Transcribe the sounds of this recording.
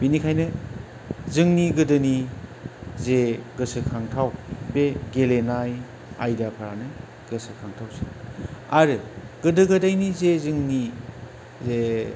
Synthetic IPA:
binikʰajnɯ | zɯŋniɡɯdɯni | zeɡɯsɯkʰaŋtʰawbeɡelenaj | ajdapʰaɾa̰nɯ | ɡɯsɯkʰaŋtʰawseaɾɯ | ɡ̥ɯdɯɡɯdajnizezɯŋni | ze

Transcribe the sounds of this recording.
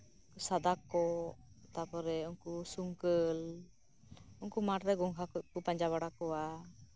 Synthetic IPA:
kusad̪akɔ | t̪apɔɾɛɔŋkusuŋkəl | uŋkumaʈɾɛɡɔŋkʰakkupaɲd͡ʒaβaɽakɔwa

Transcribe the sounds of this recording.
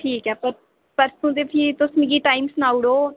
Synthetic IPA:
ʈʰiːkɛːpəɾ | pəɾsũːd̪eːpʰiːt̪ʊsmɡiːʈaːimsnaːʊɽoː

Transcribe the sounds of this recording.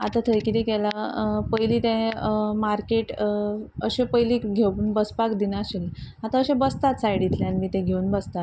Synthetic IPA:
a̰t̪at̪ʰəjkit̪iɡɛlapəjliːt̪ɛ̃maɾkeʈ | əɕẽpəjlikɡʱeuːnbəspakd̪inaɕeleat̪ãəɕẽbəst̪at̪sajɽit̪leanmiːt̪ẽɡʱeunbəst̪at̪

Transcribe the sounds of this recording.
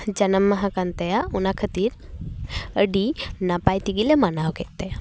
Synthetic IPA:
d͡ʒɐnɐmːɐɦakant̪ɐjaunakʰət̪iːɾ | əɖinapajt̪iɡilemanawket̪ːɐja

